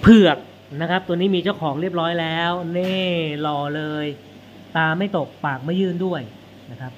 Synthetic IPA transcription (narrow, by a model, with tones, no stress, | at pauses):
pʰɯ˨˩ək̚ | na˦˥kʰɾa˦˥p̚t̪u˧niː˦˥miː˧t͡ɕa˥˩wkʰɔː˩˦ŋɾi˥˩əp̚ɾɔː˦˥jlɛː˦˥wneː˥˩lɔː˧lɤː˧j | t̪aː˧ma˥˩jt̪o˨˩k̚paː˨˩k̚ma˥˩jːɯː˥˩ndu˥˩əj | na˦˥kʰɾa˦˥p̚